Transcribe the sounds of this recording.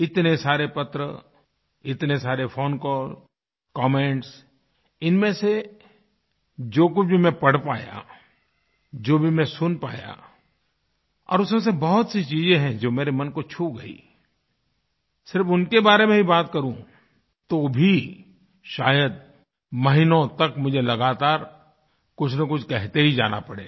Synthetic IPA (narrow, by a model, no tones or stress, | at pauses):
ɪt̪nesaːɾepɐt̪ɾə | ɪt̪nesaːɾefʰoːnkɔːl | kɔːmẽːʈs | ɪnmẽse | d͡ʒoːk̬ʊt͡ʃʰbʱimɛ̃pɐɽ̤paːja̰ | d͡ʒoːbʱimɛ̃sʊnpa̰ːja̰ | ɔ̰ːɾʊsmẽs̬ebɔɦʊt̪sit͡ʃiːzẽɦɛ̃d͡ʒoːmeːɾemɐnkot͡ʃʰuɡɐḭː | sɪɾfʊnkebaːɾemẽibaːt̪̚kɐɾũ | t̪oːbʱi | ʃa̰ːjəd̪̚ | mɐɦɪnõt̪ɐkmʊd͡ʒʱelɐɡaːt̪aːɾ | kʊt͡ʃʰnɐkʊt͡ʃʰkɛɦt̪eɦid͡ʒa̰ːna̰pɐɽḛː